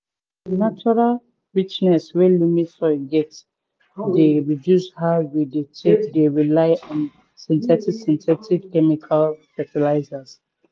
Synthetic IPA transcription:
nat͡ʃɔɹal | ɹit͡ʃnɛswɛlumitɔɡɛt | deɹidjushawidetʰekdeɹilaɪɔ̃n | sɛ̃ntʰɛtivsɛ̃ntʰɛtivkɛmikʰalpɛtilaɪzaz

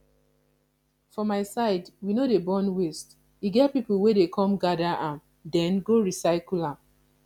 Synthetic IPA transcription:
fɔmaɪsaɪdwinodebɔ̃nwest | iɡɛt̚pipuwedekʰɔ̃mɡadaʔãm | dɛ̃nɡoɹisaɪkulãm

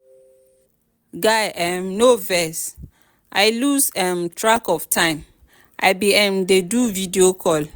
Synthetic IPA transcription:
ɡajɛmnovɛs | ʔaɪlusɛmtʰɹakɔvtʰãɪ̃m | ʔa̰ɪbiɛ̃mdeduvidiokʰɔl

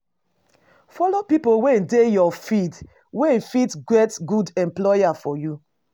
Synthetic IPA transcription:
fɔlopipowendejɔfid | wẽfitɡɹetɡudɛ̃mplɔjafɔju

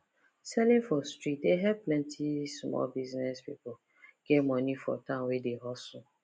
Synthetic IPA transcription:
sɛlɪ̃ŋfɔstɾit̚deɦɛvplɛ̃ntʰismɔ̰lbiznɛspḭpʊ | ɡ̥ɛmɔnifɔ̰tãnwedeɦɔsʊ

